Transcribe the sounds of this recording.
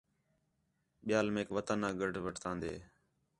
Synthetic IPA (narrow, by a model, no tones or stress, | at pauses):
ɓɪjaːlmẽːkʋət̪ənãːɡəɖʱʋəʈʰt̪ãːnd̪ḛː